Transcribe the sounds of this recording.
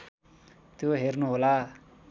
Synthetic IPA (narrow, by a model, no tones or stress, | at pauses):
t̪joɦernuɦola